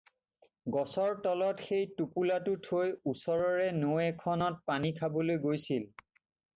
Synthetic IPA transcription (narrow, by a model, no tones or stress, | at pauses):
ɡɔsɔɹtɔlɔtxejtupulatʊtʰojusɔɹɔɹɛnoɛkʰɔnɔt̚panikʰabɔlojɡojsil